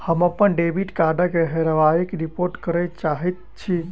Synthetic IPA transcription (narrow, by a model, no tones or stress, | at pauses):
həməpːənɖebʱiʈkaɾɖəkeɦeɾəʋaikeɾipoɾʈkəɾəjt͡ʃaɦɛt̪̚ | t͡ʃʰi